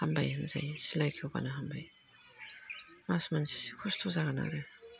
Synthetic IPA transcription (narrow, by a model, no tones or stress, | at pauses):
hambajhɯnza̰jsilajkʰiowba̰naɦambaj | masmansi̥sikʰɔstʰozaɡana̰ɾɯ